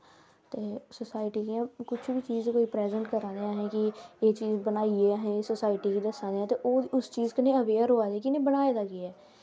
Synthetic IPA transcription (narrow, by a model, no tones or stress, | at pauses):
t̪eːsoːsaːɪʈiːkiãːkʊt͡ʃʰbit͡ʃiːzkoːiːpɾɛːzəɳʈkəɾãːd̪eːaːɦẽːkieːt͡ʃiːzbənaːieːaɦẽːsoːsaːɪʈiːkiːd̪əsãːd̪eːãːt̪eːʔoːd̪iʊst͡ʃiːzkenẽːəʋeːɾɦoːaːd̪eːkɪnẽːbənaːeːd̪aːɡiɛː